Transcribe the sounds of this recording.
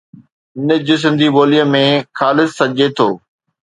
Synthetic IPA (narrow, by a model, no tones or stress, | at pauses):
ɪnəd͡ʑʊs̬ɪ̃nd̪ʱiboːlijəmẽxaːlɪsːɐʄet̪ʰoː